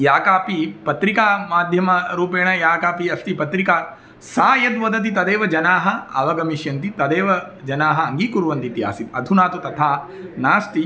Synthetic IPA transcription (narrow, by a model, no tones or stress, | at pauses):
jaːkaːpipɐt̪ɾikaːmaːd̪ʱjɐmɐɾuːpeːɳɐjaːkaːpiɐst̪ipɐt̪ɾikaː | saːjɐd̪ʋɐd̪ɐt̪̬it̪ɐd̪eːʋɐd͡ʒɐnaːɦɐ̆ɐʋɐɡɐmiʃjɐnt̪it̪ɐd̪eːʋɐ | d͡ʒɐnaːɦɐɐŋɡiːkuɾuʋɐnt̪it̪ija̰ːsit̪ɐd̪ʱunaːt̪ut̪ɐt̪ʰaː | naːst̪i